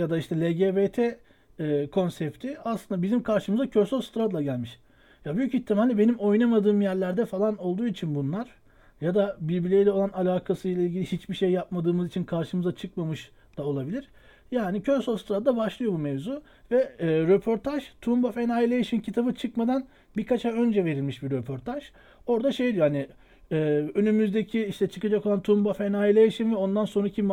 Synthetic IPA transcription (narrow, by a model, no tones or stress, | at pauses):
jad̪aiʃt̪ʰɛlʲeɟebet̪ʰɛː | kʰo̞nsɛpt̪ʰiaslˠɯnd̪abizimkʰaɾʃɯmɯzacʰøɾsolˠst̪ɾad̪lˠaɟælʲmiʃ | jabyjyciçt̪ʰːimalʲːibe̞nimo̞jnamad̪ɯːmjæɾlʲæɾd̪ɛfalˠano̞lˠd̪uːit͡ʃʰinbunlˠaɾ̥ | jad̪abiɾbilʲejlʲɛoanalʲaːkʰasɯjlʲˠailʲɟʲilʲihit͡ʃbiʃejːap̚mad̪ɯːmɯzit͡ʃʰinkʰaɾʃɯmɯzat͡ʃʰɯk̚mamɯʃ | d̪̥ao̞lˠabilʲiɾ̥ | jaːnicʰøɾsolˠst̪ɾad̪d̪abaʃlˠɯjo̞bumevzu | vɛːɾepʰo̞ɾt̪ʰaʒt̪ʰumbafɛnaːilʲejaʃincʰit̪ʰabɯt͡ʃʰɯkmad̪an | biɾkʰat͡ʃʰaø̞nd͡ʒɛve̞ɾilʲmiʃbiɾøpʰo̞ɾt̪ʰaʒ̥ | o̞ɾd̪aʃe̞jd̪ijohani | ɛːø̞nymyzd̪e̞cʰiiʃt̪ʰɛt͡ʃʰɯkad͡ʒako̞lˠant̪ʰumbafɛnaːilʲejaʃinvɛo̞nd̪anso̞nɾacʰi